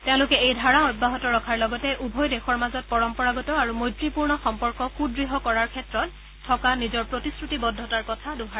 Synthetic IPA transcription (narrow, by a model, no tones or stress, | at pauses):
tɛʊ̃lʊkɛejdʱaɹaɔj̚baɦɔtɔɹɔkʰaɹlɔɡɔtɛʔubʱɔjdɛxɔɹmazɔt̚pɔɹɔmpɔɹaɡɔtɔaɹumojtɹipuɹnɔxɔmpɔɹkɔxudɹiɦɔkɔɹaɹkʰɛtɹɔtʰː | ɔkanizɔɹpɹotiskɹutibɔdʱːɔtaɹkɔtʰaduɦa